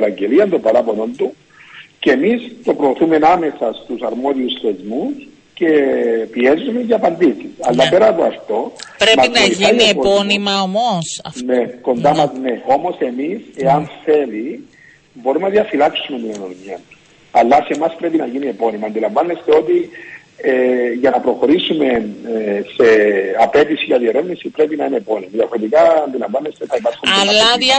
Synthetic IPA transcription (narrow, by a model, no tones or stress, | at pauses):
lɐɲɟe̞liɐnd̪obɐɾɐpo̞no̞nt̪u | cemist̪o̞pɾo̞ːθume̞name̞sɐst̪usɐɾmo̞ðiusθe̞zmus | ce̞piezːume̞ɲɟaːpɐnd̪isisɐ̰lːɐpe̞ɾɐpoɐft̪o̞pɾemɐisnoianeepoponimɐomosɐneko̞nd̪amɐzne̞o̞mo̞se̞mise̞ɐnθe̞li | bo̞ɾimnɐðiɐfilɐksumemienonomiɐ | ɐlːɐsemɐspɾe̞pinɐʝinie̞po̞nimɐːnd̪ilɐɱvɐnːest̪eo̞t̪i | eʝɐnɐpɾo̞xo̞ɾisume̞nse̞ɐpe̞t̪isiʝɐðieɾe̞vnisipɾe̞pinɐinepo̞nimɐðiɐfoɾit̪ikɐːnd̪ilɐɱvanːest̪e̞θɐipɐɾxunɐlːɐiɐ